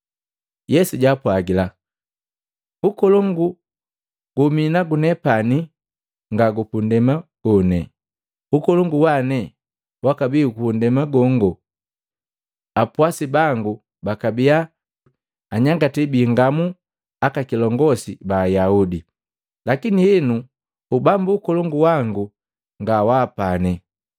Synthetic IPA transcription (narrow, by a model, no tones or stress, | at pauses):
jɛsuɟapwaɡila | ukɔlɔŋɡu | ɡ̥uminaɡunɛpani | ŋɡaɡupundɛmaɡ̥ɔnɛ̰ | ukɔlɔŋɡuwanɛ | wakabiukuundɛmaɡɔŋɡɔ | apwasibaŋɡu | bakabia | aɲaŋɡatɛbiŋɡamu | akakilɔŋɡɔsḭbaːjaudi | lakiniɛnu | ubambuːkɔlɔŋɡuwaŋɡu | ŋɡawaːpanɛ